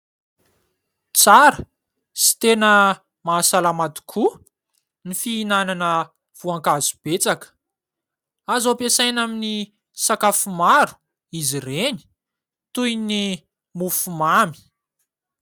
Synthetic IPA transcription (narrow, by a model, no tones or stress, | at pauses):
t͡saɾə | si̥t̪enə | maːsalamat̪u̥kʰu | nifiːnananə | v̥uaŋkazu̥b̥et͡sakə̥ | azopesajnamini | sakafumaɾu̥ | izireni̥ | t̪ujni | mufumami̥